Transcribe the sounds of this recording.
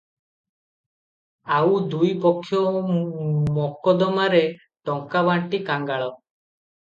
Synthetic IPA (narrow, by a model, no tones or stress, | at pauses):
awd̪ujpɔkʰːjɔ | mɔkɔd̪ɔmaɾe | ʈɔŋkabaɳʈikaŋɡaɭɔ